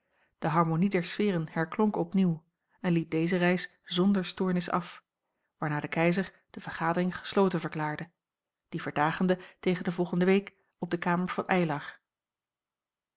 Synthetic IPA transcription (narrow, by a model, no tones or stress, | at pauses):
d̥əɦɑɹmonidɛɹsfɪːrənhɛɹklɔŋkɔpniw | ɛnlip̚dejzərɛjs | zɔndəɹstʊːɹnɪsɑ̰f | ʋaːɹnaːdəkɛjzəɹ | d̥əvəɹχaːdərɪŋχə̥slowtənvəɹklaːɹdə | d̥ivəɹdaːχəndətejχəndəvɔlˠχəndəʋejk | ɔb̚dəkaːməɹv̥ɑnʔɛjlɑχ